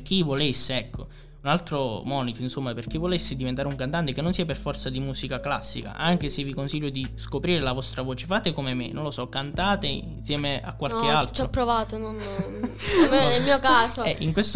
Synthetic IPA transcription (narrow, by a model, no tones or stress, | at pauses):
k̟ivolesːeɛkʰːo | unalt̪ɾomɔːnit̪oinsomːaperk̟ivːolesːɪd̪ivent̪aɾeuŋkant̪ant̪ekenːonsiːaperfɔrt̪sad̪imuːsikakla̰sːika̰ʔaŋk̟esevikonsiʎːod̪iskopɾiːɾelavɔst̪ɾavoːt͡ʃefaːt̪ekomemenːonlosɔkːant̪aːt̪ensjɛːmea̰kːwalkealt̪t͡ʃɔopːɾovaːt̪onon | mnelmiːokaːsoɛʔiŋkwest̪